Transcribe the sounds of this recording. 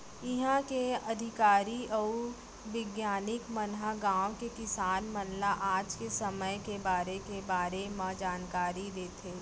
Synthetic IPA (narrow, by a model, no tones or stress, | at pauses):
ɪɦãkeɐd̪ʱɪkaːɾiɐu | ʋɪɡjaːnɪkmɐnɦaɡãːõkekɪsaːnmɐnlaʔaːd͡ʒkesɐməjkebaːɾekebaːɾemɐ̃d͡ʒaːnkaːɾid̪eːt̪ʰeː